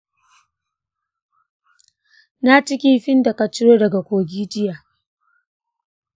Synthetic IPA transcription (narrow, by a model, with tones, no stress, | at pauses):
na˦t͡ʃɪ˦kʲi˦ɸɪ˦nda˨kɐ˨t͡ʃɪ˦ɾoː˦dɐ˨ɡa˨kʷoː˨ɡʲiː˦d͡ʒɪ˦jaː˨